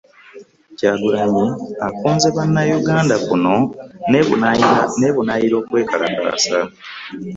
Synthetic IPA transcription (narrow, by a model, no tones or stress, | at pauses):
caːɡuɾaɲiakuːnzeβanːajuɡaːndakuno̞n | neβunajiɾo̞ːkwe̞ːkala̰ka̰ːsa